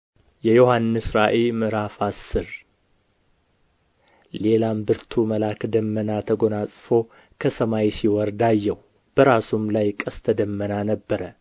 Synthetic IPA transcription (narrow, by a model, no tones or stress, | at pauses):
jɛjohanːɨsɾaʔelmɨɾafasːɨɾ | le̞lambɨɾt̪ʰuməlakd̪əmːənat̪ʰəɡo̞nasʼfo̞ | kʰəsəmajsiwɔɾd̪ajːɛw | b̥əɾasumlajkʼəst̪ʰəd̪əmːənanəbːəɾə